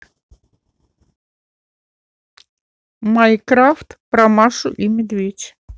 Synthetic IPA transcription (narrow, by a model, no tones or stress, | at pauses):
majkɾaft̪pɾɐmaʂʊʔimʲɪd̪vʲetʲ